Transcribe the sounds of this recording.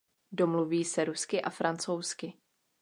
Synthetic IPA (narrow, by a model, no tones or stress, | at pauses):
do̞mluviːsɛɾuskɪʔafɾant͡so̞wskɪ